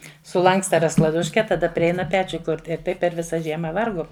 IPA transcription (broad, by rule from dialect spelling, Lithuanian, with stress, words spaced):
sʊˈlˠɐŋkstɐ rɐsklˠɐˈdʊʃʲkʲɛ tɐˈdɐ pʲrʲɪˈɛɪnɐ ˈpʲæːt͡ʃʲʊ ˈkʊrʲtʲɪ ɪr ˈtɐɪp pʲɛr ˈʋʲɪsɐ ˈʒʲiɛmɐ ˈʋɐrɡuɔm